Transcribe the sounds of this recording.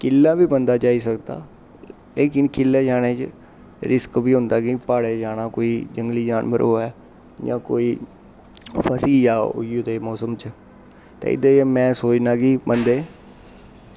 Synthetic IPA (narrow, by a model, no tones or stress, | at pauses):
kɪlːãːbiːbənd̪aːt͡ʃaːiːsəkd̪a̰ː | eːkɪnkɪlːeːd͡ʒaːneːt͡ʃ | ɾɪskbiːɦʊ̃nd̪aːkɪpaːɽeːd͡ʒaːnaːkoːiːd͡ʒəŋɡliːd͡ʒaːnbə̰ɾɦoːɛː | d͡ʒã̰ːko̰ːiː | pʰəsiːd͡ʒaːʊ̰iot̪eːmɔːsəmt͡ʃ | t̪ḛ̃ːɪ̰d̪eːmɛ̃ːsoːt͡ʃnãːkɪbənd̪eː